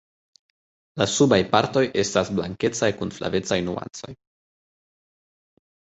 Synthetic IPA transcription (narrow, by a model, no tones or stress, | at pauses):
lasubajpaɾto̞jʔe̞stasblaŋke̞t͡sajkunfla̰ve̞t͡sajnua̰nt͡so̞̰j